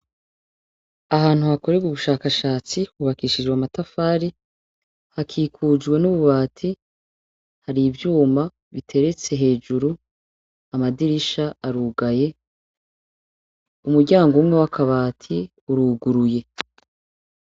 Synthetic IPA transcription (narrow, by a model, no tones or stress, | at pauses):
aɦaːn̥huhako̞ɾe̞ɡuβuʃaːkaʃaːt͡siwuβakiʃid͡ʒwamatafaːɾi | hakʰiːkʰud͡ʒɡwe̞nuβuβaːtʰi | haɾivjuːma | βitʰe̞ɾe̞t͡se̞ɦe̞ːd͡ʒuɾu | amadiɾiʃaaɾuːɡaje̞ | umuɾɟaːŋɡumŋe̞wakʰaβaːtʰi | uɾuːɡuɾuje̞